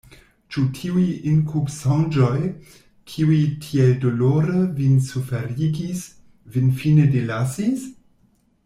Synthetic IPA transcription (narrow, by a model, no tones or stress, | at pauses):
t͡ʃutʰiujinkʰubsãŋd͡ʒoj | kʰiujtʰieldoloɾəvinsufeɾiɡis | vinfinedelasis